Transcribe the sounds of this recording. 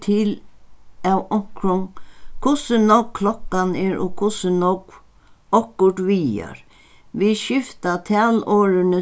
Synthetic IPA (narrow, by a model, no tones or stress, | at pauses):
t̪ʰil | awɔŋ̥kɾʊŋkʰʊsənɔkkʰlɔkːanɛɹʊkʰʊsənɔk | ɔkːʊɾʈ̪ʋiːa̰ɹ | ʋiʃɪft̪at̪ʰɛːlɔːɾɪnə